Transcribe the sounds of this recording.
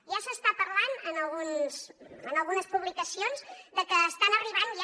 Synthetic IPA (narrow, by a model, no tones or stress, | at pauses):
ʒasəst̪apəɾlanənəlˠɣunzənəlˠɣunəspuβlikəsionzd̪əkəːst̪anəriβ̞anʒa